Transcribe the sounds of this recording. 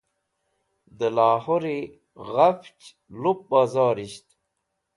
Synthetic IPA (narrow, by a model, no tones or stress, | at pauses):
d̪əlaːhoɾi | ɣaft͡ɕ | lup̚bazaːɾiɕt̪